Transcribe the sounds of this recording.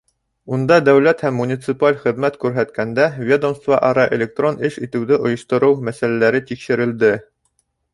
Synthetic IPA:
und̪ɑd̪æwlæt̪hæmːunʲit̪sɨpalʲχɘ̆ðmæt̪kʉɾɦæt̪kænd̪ævʲed̪omst̪vɑʔɑɾɑʔḛlʲek̚t̪ro̞nʔɘʃit̪ɘ̆wðɘʔŏjɤ̆ʃt̪ŏɾɤwmæsælælæɾɘt̪ikʃɘ̆ɾɘ̆ld̪ɘ

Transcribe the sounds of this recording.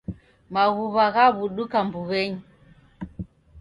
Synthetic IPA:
maɣuβaɣaβuɗukambuβɛɲi

